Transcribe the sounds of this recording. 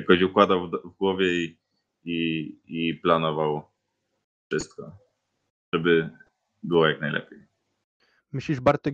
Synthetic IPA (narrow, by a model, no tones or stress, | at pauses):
akɔɕukwad̪awvɡwɔvʲjɛi | iiplanɔvaw | fʂɘst̪̚kɔ | ʐɛbɘ | bɘwɔjaknajlɛ̰pʲjej | mɘɕlʲiʐbaɾt̪ɔ